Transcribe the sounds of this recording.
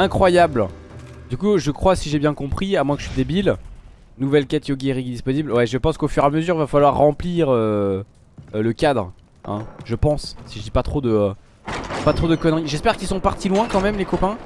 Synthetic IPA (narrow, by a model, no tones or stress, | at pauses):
ɛ̃kχwajabld̪ykuʒəkχwasiʒebjɛ̃kɔ̃pχiamwɛ̃kə̥əsɥid̪ebil | nuvɛlkʲɛt̪joɡʲeʁikd̪ispɔniblwɛʒəpɑ̃skofyʁaməzyʁvafalwaʁːɑ̃pliʁø | ləkʲad̪ʁ | ɛ̰̃ʒəpɑ̃ssiʒəd̪ipat̪χod̪əø | pat̪χod̪əkɔnʁiʒɛspɛʁkʲilsɔ̃paʁt̪ilwɛ̃kɑ̃mɛmlekɔpɛ̃